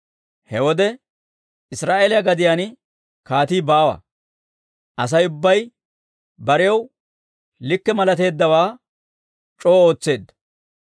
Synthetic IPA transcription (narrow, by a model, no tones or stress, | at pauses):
hɛwɔd̪ɛ | ɪsɾaːʔeːlɪjɐɡɐd̪ɪjaːn | kaːt̪iːbaːwɐ̰ | ʔɐs̬ɐjʊbːɐj | bɐɾɪjɐw | lɪkːɛmɐlɐt̪e̞ːd̪ːɐwaː | t͡ʃʼo̞ːo̞ːt͡sːe̞ːd̪ːɐ̥